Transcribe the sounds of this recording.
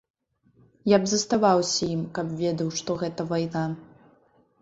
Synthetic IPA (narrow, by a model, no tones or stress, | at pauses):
jabzɐst̪avawsʲɐjimkɐpvʲɛd̪ɐwʂt̪ɔɣɛt̪ɐvajna